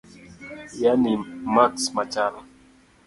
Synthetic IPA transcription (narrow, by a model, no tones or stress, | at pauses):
janimaksmat͡ʃala